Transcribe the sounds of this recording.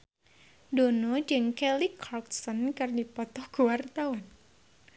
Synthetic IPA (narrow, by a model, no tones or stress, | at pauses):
donɔd͡ʒɨŋkɛlikʰarksɔnkɨrdipɔt̪ɔhkuwart̪awan